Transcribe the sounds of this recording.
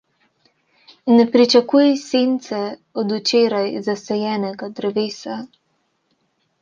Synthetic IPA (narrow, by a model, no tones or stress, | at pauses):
nɛpɾit͡ʃakuːjiseːnt̪sɛɔd̪ut͡ʃeːɾajzasɛjɛːnɛɡad̪ɾɛʋeːsa